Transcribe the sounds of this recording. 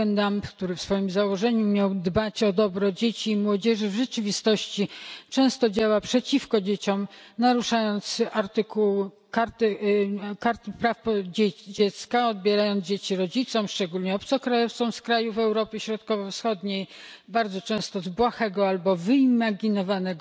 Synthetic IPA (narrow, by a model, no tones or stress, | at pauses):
ɛnd̪ampkt̪uɾɘfsfɔjimzawɔʐɛɲumʲjawd̪bat͡ɕɔd̪ɔbɾɔd͡ʑet͡ɕiːmwɔd͡ʑɛʐɘvʐɛt͡ʂɘvʲist̪ɔɕt͡ɕit͡ʂɛ̃w̃st̪ɔd͡ʑawapʂɛt͡ɕifkɔd͡ʑet͡ɕɔmnaɾuʂajɔnt̪saɾt̪ɘkuw | kaɾt̪ɘkaɾt̪ɘpɾafpɔd͡ʑed͡ʑɛt̪skaɔd̪̚bʲjɛɾajɔnd̪d͡ʑet͡ɕiɾɔd͡ʑit̪sɔmʂt͡ʂɛɡulɲɛɔp̚t̪sɔkɾajɔft̪sɔ̃w̃skɾajuvɛwɾɔpʲɘɕɾɔt̪kɔvɔfsxɔd̪ɲej | baɾd̪zɔt͡ʂɛ̃st̪ɔzbwaxɛɡɔalbɔvɘimaɡʲinɔvanɛɡ